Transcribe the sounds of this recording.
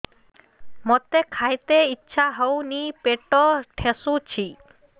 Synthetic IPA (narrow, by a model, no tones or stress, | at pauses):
mɔt̪ekʰajt̪eitːɕʰaɦəwnipeʈɔʈʰesut͡ɕʰi